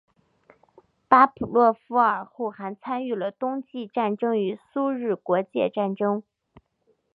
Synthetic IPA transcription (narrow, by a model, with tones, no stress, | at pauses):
pa˥pʰu˨˩lwɔ˥˩fu˧˥ə˞˨˩xu˥˩xa˧˥nt͡sʰa˥ny˥˩lə˩t̪ʊ˥ŋt͡ɕi˥˧ʈ͡ʂa˥˩nʈ͡ʂɤ˥ŋy˧˥su˥ɻɻ̩˥˩kwɔ˧˥t͡ɕjɛ̰˥˧ʈ͡ʂa˥˩nʈ͡ʂɤ˥ŋ